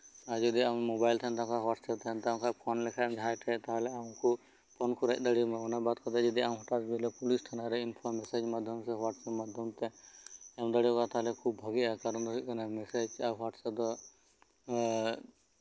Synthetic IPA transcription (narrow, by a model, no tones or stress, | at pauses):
aɾd͡ʒɔd̪iãmobajlt̪ʰant̪ãkʰaɦwaʈsɛt̪ʰɛnt̪aãkapʰɔnlɛkʰamd͡ʒʱajʈʰɛt̪aɦlɛãku | pʰɔnkʰuɾaʔ̚d̪əɽimaɔnabat̪̚kʰɔt̪ad͡ʒɔd̪iam̃ɦɔʈasbilɛpulisʈ̪ʰanaɾɛinpʰɔmɛsed͡ʒmad̪ʱjɔmsɛɦaʈsɛpmad̪ʱjɔmt̪ɛɛmd̪əɽikat̪aɦlɛkʰubbʱɔɡiakaɾɔnd̪ɔikɔnamɛsed͡ʒaɦwaʈsɛd̪ɔ